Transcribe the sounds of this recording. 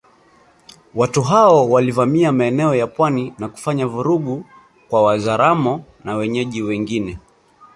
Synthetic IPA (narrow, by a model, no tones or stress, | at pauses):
watuɦaɔwalivamiamaɛnɛɔjapwaninaku̥faɲavuɾuɠu | kwawazaɾamɔnawɛɲɛʄiwɛŋɡinɛ